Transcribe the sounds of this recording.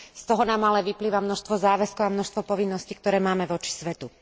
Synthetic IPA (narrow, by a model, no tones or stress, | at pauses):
st̪ɔɦɔnaːmalɛʋipliːʋamnɔʃst̪ʋɔzaːʋɛskɔʊamnɔʃst̪ʋɔpɔʋinːɔscikt̪ɔɾɛːmaːmɛʋɔt͡ʃi̥sʋɛt̪u